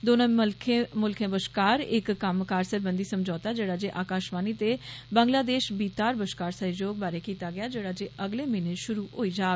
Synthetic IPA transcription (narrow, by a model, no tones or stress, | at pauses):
d̪oːnãlkʰẽmʊlkʰẽːbəʃkaːɾɪ̰kːəmkaːɾsəɾbə̃nd̪iːsəmd͡ʒɔːt̪aːd͡ʒeːɽaːd͡ʒeːʔaːkaːʃmaːniːt̪eːbə̃ːŋɡlaːd̪eːʃbiːt̪aːɾbəʃkaːɾsəɦd͡ʒoːɡ̚baːɾeːkiːt̪aːɡɪjaːd͡ʒeːɽaːd͡ʒeːʔəɡleːmɪneʃʊɾuːɦoːiːd͡ʒaːɡ